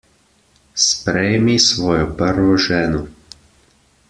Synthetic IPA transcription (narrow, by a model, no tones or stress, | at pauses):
spɾɛjmisʋɔːjɔpəɾʋɔʒɛːnɔ